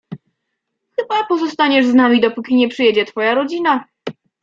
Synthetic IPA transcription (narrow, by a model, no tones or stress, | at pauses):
xɘbapɔzɔst̪aɲɛʐznamʲid̪ɔpukʲiɲɛpʂɘjɛd͡ʑɛt̪fɔjaɾɔd͡ʑina